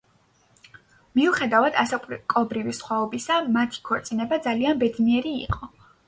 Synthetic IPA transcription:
miuχɛd̪avad̪asakʼkʼɔbɾivisχwaɔbisamat̪ʰi̥kʰɔɾt̪sʼinɛbad̪zalianbɛd̪niɛɾḭːqʼɔ

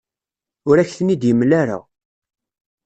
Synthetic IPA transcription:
ʊɾæçθənid̪jəmːlaɾa̰

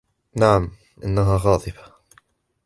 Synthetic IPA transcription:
naʕam | ʔɪ̰nːaɦaːɣɑːt̪ˤɨfḁ

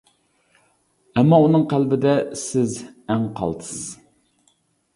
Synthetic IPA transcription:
ɛmːɑunɨŋqʰælbɪd̪ɛsɪzɛŋqʰɑ̰lˠd̪ɨ̥sɨz

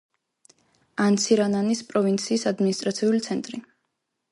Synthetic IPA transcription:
ant̪sʰiɾananispʼɾɔvint̪sʰiːsad̪minist̪ʼɾat̪sʰiulit̪sʰɛnt̪ʼɾi

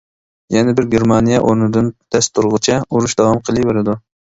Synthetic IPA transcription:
jɛnɛbɪɾɡʲeɾmɑnijɛʔoɾnɨd̪ɨnt̪ʰɛst̪ʰuɾʁʊt͡ʃʰɛuɾuʃd̪ɑwɑmqʰəlˠijbeɾɪd̪u

